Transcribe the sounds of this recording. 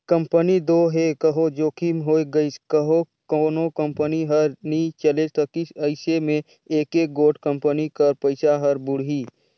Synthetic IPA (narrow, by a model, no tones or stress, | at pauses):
kə̃mpənid̪oːɦekəɦod͡ʒoːkimɦoːeɡəiskəɦo | koːnokə̃mpəniɦəɾnĩt͡ʃəlesɐkisəɪsemẽ | eːkeːk̚ɡoːʈkə̃mpənikəɾpəɪsaɦɐɾbʊɽ̤iː